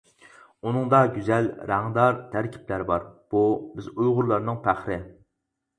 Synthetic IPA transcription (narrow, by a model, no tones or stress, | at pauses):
unɨŋd̪ɑɡʲyzælɾæŋd̪ɑɾt̪ʰæɾkʲʰi̥pʰlæɾbɑɾb̥ubɪzujʁʊɾlˠɑɾnɨŋpʰæχɾɪ